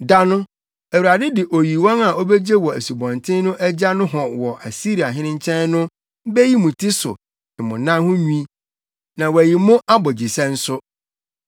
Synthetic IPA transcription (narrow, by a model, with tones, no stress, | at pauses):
da˦nʊ̃˦ | æ˨wu˨ɾa˨dɪ˦dɪ˨ʔo˨ji˨wɔ̃˦na˨ʔo˦be˦d͡ʑe˦wɔ˨æ˨su˨bɔ̃˨ntʰɪ̃˦nʊ̃˦ʔæ˦d͡ʑa˦nʊ̃˦ɦɔ̃˨wɔ˨ʔa˨si˦ɾi˨a˨ɦɪ̃˦nɪ̃˦ɲ˦t͡ɕʰɛ̃˦nnʊ̃˦ | bɛ˦ji˦mũ˨tʰɪ˦sʊ̰˨ | ɪ̃˨mʊ̃˨nã˦hʊ̃˦ɲũ˦ĩ˦ | nã˨wæ˨ji˨mʊ̃˦ʔa˦bɔ˨d͡ʑi˨sɛ̃˦n̩˦sʊ˦